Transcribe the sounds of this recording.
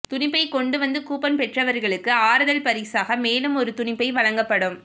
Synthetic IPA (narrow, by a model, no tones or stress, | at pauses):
t̪ʊnɪpːɐɪkɔɳɖɯʋɐnd̪ɯkuːpɐnpɛʈrɐʋɐɾɣɐɭɯkːɯaːɾɐðɐlpɐɾiːsaːɣɐmeːlɯmɔɾɯt̪ʊnɪpːɐɪʋɐɻɐŋɡɐpːɐɽɯm